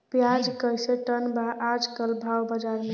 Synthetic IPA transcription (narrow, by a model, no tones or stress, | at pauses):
pjad͡ʒkəjseʈənbaʔːd͡ʒkəlbʱawbəd͡ʒaɾme